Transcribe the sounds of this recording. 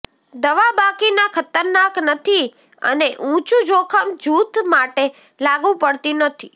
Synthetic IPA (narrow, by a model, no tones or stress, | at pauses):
d̪əʋabakinakʰət̪əɾnaknət̪ʰi | ə̰neʔũt͡ʃũd͡ʒokʰəmd͡ʒut̪maʈe | laɡũpəɽt̪inət̪ʰi